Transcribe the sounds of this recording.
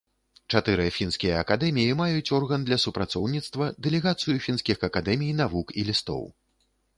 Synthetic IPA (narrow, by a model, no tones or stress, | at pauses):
t͡ʂat̪ɨɾɨɐfʲinskʲijɐɐkad̪ɛmʲijimajut͡sʲɔrɣɐnd̪lʲɐsupɾat̪sɔwnʲit̪st̪vɐd̪ɛlʲɛɣat̪sɨjufʲinsʲkʲixɐkad̪ɛmʲijnavukilʲist̪ɔ̰w